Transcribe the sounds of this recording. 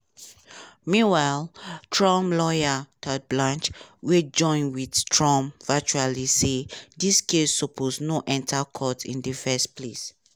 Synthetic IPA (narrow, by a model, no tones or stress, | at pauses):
mĩwaltʰɹɔ̃mlɔjatʰad̚blãnt͡ʃwed͡ʒɔ̃ɪ̃nwidtʰɹɔ̃mvɛt͡ʃualisediskesːɔpʰosnoʔɛ̃ntakʰɔtḭ̃ndəfɛsples